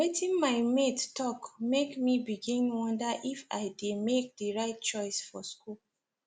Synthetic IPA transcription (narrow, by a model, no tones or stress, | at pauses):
wetĩnmaɪmettɔkmekmibiɡĩnwʌ̃ndaʔifa̰ɪdemek̚diɹaɪt̚t͡ʃɔɪsfɔskul